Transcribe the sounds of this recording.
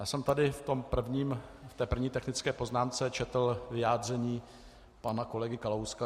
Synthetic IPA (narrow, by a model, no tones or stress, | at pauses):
jaːsɛmt̪adɪft̪o̞mpr̩vɲiːmft̪ɛːpr̩vɲiːt̪ɛxnɪt͡skɛːpo̞znaːmt͡sɛt͡ʃɛt̪l̩vɪjaːd̪r̝ɛɲiː | panako̞lɛɡɪkalowska